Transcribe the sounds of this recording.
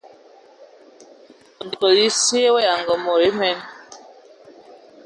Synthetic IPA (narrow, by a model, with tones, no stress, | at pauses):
n˨dko˨li˦si˦e˦we˦ja˨ŋɡɔ˨mɔ˨ɾi˨˦mɛ˦n